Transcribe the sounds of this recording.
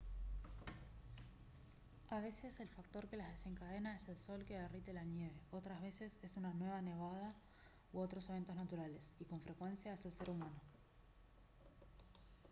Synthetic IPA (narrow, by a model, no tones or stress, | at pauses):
aβ̞e̞se̞selfak̚t̪o̞ɾke̞lazðe̞se̞ŋkað̞e̞naese̞lso̞lkeβerit̪elanje̞β̞e̞o̞t̪ɾazβe̞se̞se̞sunanwe̞β̞ane̞β̞að̞a | oot̪ɾo̞seβ̞e̞nt̪o̞znat̪uɾale̞siko̞ɱfɾe̞kwe̞nsjaeselse̞ɾumano̞